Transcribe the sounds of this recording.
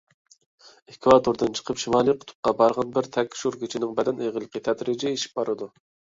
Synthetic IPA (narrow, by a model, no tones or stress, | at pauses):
ekʲʰvɑt̪ʰoɾd̪ɨnt͡ʃʰə̥qʰəpʃimɑːlˠijqʰʊ̥t̪ʰʊ̥p̚qɑbɑɾʁɑnbɪɾt̪ʰɛkʲʰʃuɾkʲʰit͡ʃʰinɪŋbɛd̪ɛneʁəlˠːəqʰət̪ʰɛd̪ɾɪd͡ʒɛeʃi̥p̚bɑɾɨd̪u